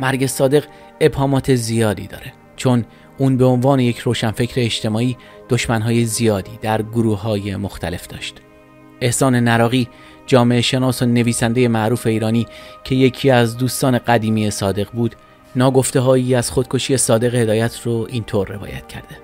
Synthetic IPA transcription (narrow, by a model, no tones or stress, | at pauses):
mæɾɟe̞sɒːd̪e̞ɣ | e̞bhɒːmɒːt̪ʰe̞zijɒːd̪ḭd̪ɒ̰ːɾe̞ | t͡ʃʰo̞n | uːnbe̞onvɒːneje̞cʰroːʃænfe̞cʰɾe̞ːʃt̪ʰe̞mɒːiː | d̪̥o̞ʃmænɦɒːje̞zijɒːd̪iːd̪̥æɾɡoɾuːɦɒːje̞mo̞xt̪ʰæle̞fd̪ɒ̰ːʃt̪ | e̞hsɒːne̞næɾɒːɣiː | d͡ʒɒːme̞eʃe̞nɒːsone̞viːsænd̪e̞je̞mæɾuːfe̞iːɾɒːniːcʰe̞je̞cʰiːæzd̪uːst̪ɒːne̞ɢæd̪iːmiːesɒːd̪e̞ɣbuːd̪ | nɒːɡo̞ft̪eɦɒːjiːæz̥χo̞d̪̥̚kʰo̞ʃiːe̞sɒːd̪e̞ɣehe̞d̪ɒːjæt̪ʰɾoʔiːnt̪ʰoɾːe̞̰vɒ̰ːjæ̰t̪ʰcʰæɾd̪e̞